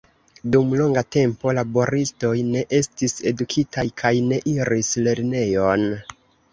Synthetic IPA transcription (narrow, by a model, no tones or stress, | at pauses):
dumlo̞ŋɡate̞mpo̞labo̞ɾisto̞jne̞ʔe̞stise̞dukʰitajkʰajne̞ʔiɾisle̞ɾne̞jo̞n